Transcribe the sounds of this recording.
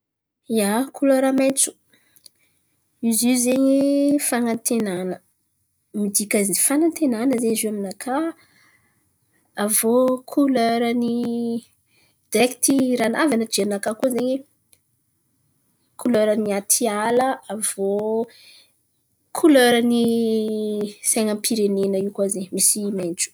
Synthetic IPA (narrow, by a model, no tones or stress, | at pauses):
iakʰuløɾamejt͡su̥ | izizeɲefanant̪enanə | mid̪ikazifanant̪enanəzeiziaminakʰa | avokʰuløɾəni | d̪̥ɛkt̪iɾanavanəd͡ʒeanakakuzeɲe | kʰuløɾəniat̪ʰialəav̥o | kʰuløɾəni | saŋampiɾenenəiwkazeɲmisiment͡ʃu̥